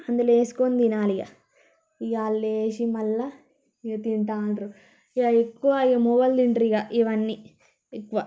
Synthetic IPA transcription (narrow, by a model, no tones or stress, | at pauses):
ɐnd̪uleːsi̥kond̪inaːlijɐ̰ | ijaːlːeːʃimɐlːɐ | ɡɐt̪iɳʈaːnɾu | jaekːuʋaiɡɐmobɐld̪iɳʈɾiɡaʔiʋɐnːi | ekːuʋa